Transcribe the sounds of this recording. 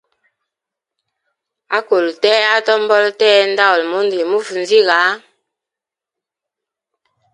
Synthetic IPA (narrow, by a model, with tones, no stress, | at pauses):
a˦ko˨ltɛː˦a˦tɔ˦m˦bɔ˦ltɛː˦n˦da˦ɔ˨lmu˦ndi˨mu˦fu˨n˨zi˦ɣa˨˦